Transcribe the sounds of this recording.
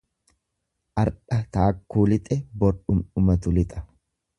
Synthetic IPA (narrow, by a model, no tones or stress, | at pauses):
ʔɐɾᶑɐt̪aːkːuːlɪt̪ʼɛbɔɾᶑʊmʊmɐt̪ʊlɪt̪ʼɐ